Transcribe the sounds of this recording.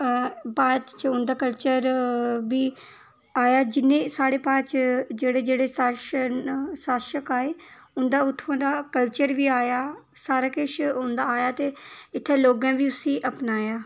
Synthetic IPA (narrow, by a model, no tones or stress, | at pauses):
baːd̪t͡ʃʊnd̪aːkəlt͡ʃəɾʋiː | aːjaːd͡ʒɪnːẽːsaːɽeːpãːt͡ʃd͡ʒeːɽeːd͡ʒeːɽeːsʃ | saːʃəkaːeːʊnd̪aːʊt̪ʰːãːd̪aːkəlt͡ʃəɾʋiːaːjaːsaːɾaːkɪʃʊnd̪aːaːjaːt̪eːɪt̪ʰːeːloːɡãːʋiːʊsĩːʔəpnaːjaː